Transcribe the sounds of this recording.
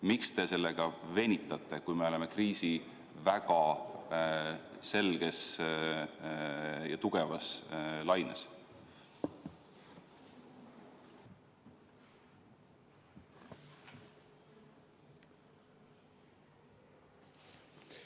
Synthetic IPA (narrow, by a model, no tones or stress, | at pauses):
mikst̪e̞se̞lːe̞ɡ̥ɑve̞nʲit̪ːˑɑt̪ːˑe̞kujme̞o̞le̞me̞kriːsi | væɡ̥ɑ | se̞lɡ̥e̞s | jɑt̪uɡ̥e̞vɑslɑjnḛs